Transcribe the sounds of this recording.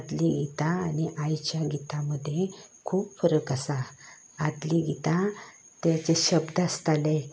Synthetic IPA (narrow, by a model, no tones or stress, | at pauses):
ad̪liɡit̪aːniʔajt͡ɕjaɡit̪aməd̪ʱje | kʰuːpfəɾəkasa | ad̪liɡit̪a | t̪jat͡ɕeɕəbd̪əst̪alẽ